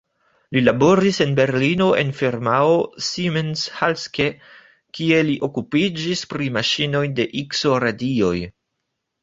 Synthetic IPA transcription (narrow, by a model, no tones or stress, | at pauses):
lilabo̞ɾise̞nbe̞ɾlino̞ʔḛnfeɾmaosimenshalske | kie̞liʔo̞kupid͡ʒispɾimaʃino̞jde̞ʔikso̞ɾadio̞j